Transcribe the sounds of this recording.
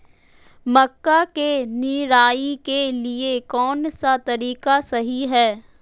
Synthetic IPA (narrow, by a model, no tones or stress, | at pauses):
mɐkːakeniɾaːikeliekɔːnsat̪ɐɾiːkasɐɦiɦɛː